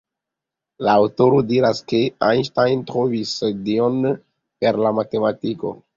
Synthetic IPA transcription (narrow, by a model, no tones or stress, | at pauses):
laːwto̞ɾodiɾaskeanʃtajntɾo̞visdio̞n | pe̞ɾlamate̞matiko̞̰